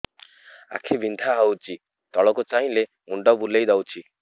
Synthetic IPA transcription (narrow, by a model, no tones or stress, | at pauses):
a̰kʰibʱind̪ʱaɦawt͡ʃi | t̪ɔɭɔkot͡ʃaɦĩle | uɳɖɔbulejd̪awt͡ʃʰi